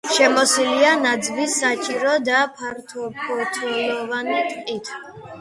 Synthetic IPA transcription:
ʃɛmɔsilianad̪zbisːat͡ʃʼiɾɔd̪apʰaɾt̪ʰɔpʰɔɾt̪ʰulɔvanit̪ʼqʼit̪ʰ

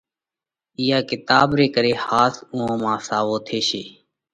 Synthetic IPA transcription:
ɪːaːkɪt̪aːbɾeːkəɾeːhaːsʊ̃õːmãːsaːʋoːt̪ʰeːʃeː

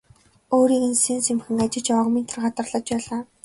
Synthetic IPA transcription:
oːɾiːɣɘ̆nsensemxɘ̆ŋat͡ɕɪ̆ɮt͡ɕɔʁmiːnt̪ʰə̆rɢat̪ə̆rɮə̆t͡ɕpæɮaː

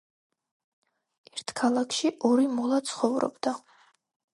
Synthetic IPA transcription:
ɛɾt̪ʰkʰalˠakʰʃiʔɔɾimɔlˠat̪sʰχɔvɾɔ̰bd̪a

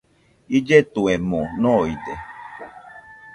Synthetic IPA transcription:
id͡ʒetuɛmɔnɔide

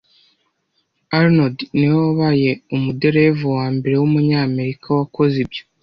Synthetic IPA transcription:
aɾnodniwoβaje̞umudeɾevuwaːmbe̞ɾe̞wumuɲaːme̞ɾikʰawako̞zibjo

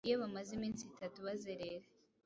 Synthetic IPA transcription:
jeβamazimiːnsitatuβazeɾeɾa

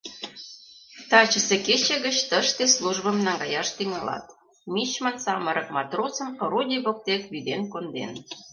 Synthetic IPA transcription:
t̪ɑt͡ɕə̆seket͡ɕeɣət͡ɕt̪əʃt̪esluʒβə̆mnɑŋɡɑjɑʃt̪yŋɑlɑ̰t̪ | mit͡ɕmənsɑməɾə̆k̚mɑt̪rosə̆mkoɾudʲiβok̚t̪ekβid̪enkond̪ḛn

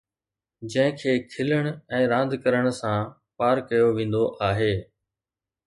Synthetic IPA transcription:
d͡ʑɐ̃ɦɪ̃kʰeːkʰɪləɽ̃ɛ̃ːɾãːnd̪ʱkəɾəɽ̃sã | paːɾkɐjoʋẽːn̆d̪oʔaːɦeː

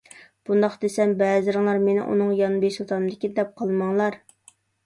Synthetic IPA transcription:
b̥und̪ɑχd̪esɛmbɛːzɪɾɨŋlˠɑɾmenɪ̰ʔṵnɨŋjɑnbeʃut̪ʰɑnd̪ɪkʲid̪ɛp̚qʰɑlˠmɑŋlˠɑɾ

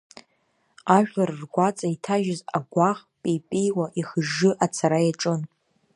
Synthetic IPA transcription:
aʒʲᶣlarrɡʷat͡sʼaitʰaʒɪzaɡʷaχpʼipʼijwaʔiχəʒːɨʔat͡sʰaɾajaʈ͡ʂʼɨn

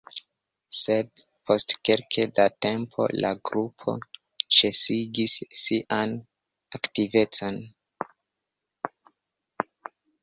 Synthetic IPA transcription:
se̞d̚ | pʰo̞stkelkʰedate̞mpʰo̞̰laɡɾupʰo̞̰ | t͡ʃe̞siɡisːiʔan | aktive̞t͡so̞n

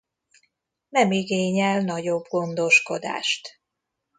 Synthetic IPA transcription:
nɛmiɡeːɲɛlnɒɟo̞bɡo̞nd̪o̞ʃko̞d̪a̰ːʃt̪

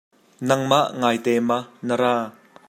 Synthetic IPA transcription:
nɐŋmaʔŋaːjt̪ɛːmɐnɐɾaː

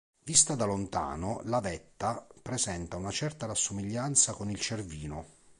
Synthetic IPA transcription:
vist̪ad̪alont̪a̰ːnʊlavɛt̪ːapɾɛzɛnt̪aunat͡ʃɛrt̪aɾasːʊmiʎːant̪sakonilt͡ʃerviːnʊ

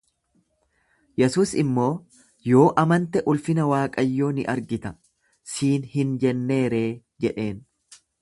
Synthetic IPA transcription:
jɛsuːsɪmːo̞ː | jo̞ːʔɐmɐnt̪ɛʔʊlfɪnɐwaːkʼɐjːo̞ːnɪʔɐɾɡɪt̪ɐ | siːnhɪnd͡ʒɛnːe̞ːɾe̞ː | d͡ʒɛᶑe̞ːn

